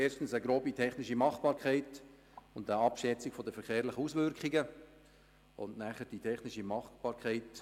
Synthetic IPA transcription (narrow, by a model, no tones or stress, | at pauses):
eːʃtn̩səɡɾoːbitʰɛχnɪʃimɑχb̥ɑːɾkʰæɪt | ʊndəɑpʃɛt͡sɪkfɔdəfɛɾχeːɾlɪχəusʋʏɾkχɪɡə | ʊ̰ndnæχəd̥itʰɛχnɪʃimɑχb̥ɑːɾkʰɛɪt